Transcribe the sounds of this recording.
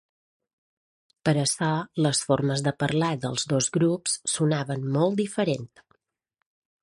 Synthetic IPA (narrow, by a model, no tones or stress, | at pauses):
pəɾəsɔləsforməzðəpərlad̪ə̰lˠzðozɣɾupsːunaβənmɔlˠt̪d̪ifəɾent̪